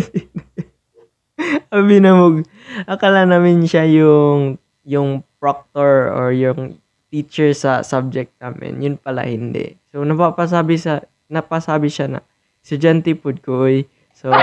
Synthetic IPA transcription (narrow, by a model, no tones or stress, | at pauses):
ɐbɪnɐmʊɡ | ʔɐkɐlanamɪnʃajʊŋ | jʊŋpɹok̚t̪oɹoɹjʊŋ | t̪iːt͡ʃɛɹsɐsab̚d͡ʒɛk̚t̪̚naːmɪ̰njʊnpɐla̰hɪnd̪ɛ̰ʔsonɐpapɐs̬aːbɪsɐ | nɐpɐsaːbɪʃanɐ̰ | sɐd͡ʒant̪ɪpʊd̪̚koʔoj | so